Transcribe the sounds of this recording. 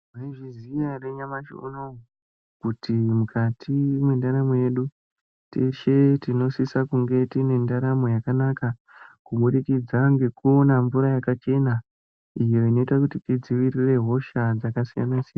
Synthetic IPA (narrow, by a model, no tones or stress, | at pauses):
maiʐizijareɲamaʃo̰no | kutʰimukʰatʰimwendaɾamoje̞ɗu | teʃetino̞sisakuŋɡe̞tine̞ndaɾamojakanaka | kumuɗikid͡zaŋɡe̞kuo̞naɱvuɾajakat͡ʃe̞na | ijo̞ino̞itakutitid͡ziʋirire̞ɦo̞ʃad͡zakasija̰nasijana